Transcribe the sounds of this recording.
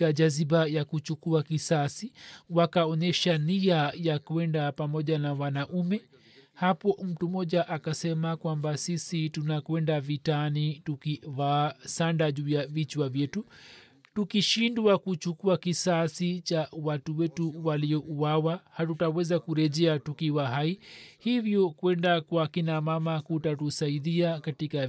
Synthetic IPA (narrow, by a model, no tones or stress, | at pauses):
aʄazibajakut͡ʃukuakisasiwakaɔɲɛʃaniajakuɛndapamɔʄanawanaʔumɛ | hapɔm̩tumɔʄaʔakasɛmakwambasisitunakwɛndavitanitukivaːsandaʄuːjavit͡ʃwavjɛtu | tukiʃindwakut͡ʃukuakisasit͡ʃawatuwɛtuwaliɔʔuwawahatutawɛzakuɾɛʄɛatukiwaɦaihivjɔkwɛndakwakinamamakutatusaiðiakatika